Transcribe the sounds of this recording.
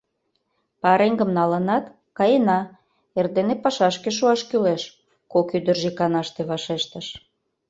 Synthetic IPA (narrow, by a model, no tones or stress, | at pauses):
pɑɾeŋɡəmnɑlənɑt̪ | kɑjenɑ | erd̪enepɑʃɑʃkeʃ̬uɑʃkyleʃ | kokyd̪ərʒikɑnɑʃt̪eβɑʃeʃt̪əʃ